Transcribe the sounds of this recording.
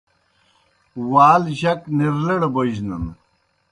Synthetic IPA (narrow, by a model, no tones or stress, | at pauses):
waːlʑɐkniɾlɐɽɐboʑnɐn